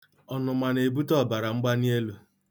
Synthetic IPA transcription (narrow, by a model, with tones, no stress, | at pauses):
ɔ˨nʊ˨ma˨ne˨bu˦tɔ˦˨ba˨ɾa˨ŋ͡m̩˦ɡ͡ba˦ni˦e˦lu˦